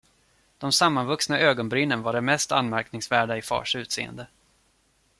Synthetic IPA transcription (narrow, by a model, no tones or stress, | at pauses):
d̪̥ɔmsamːanvɵksnaʔøːɡɔnbɾɪnːənvaɖɛmɛst̪a̰nmæɾknɪŋsvæːɖaɪfɑ̰ːʂʉ̟ːt̪sḛːə̰nd̪ə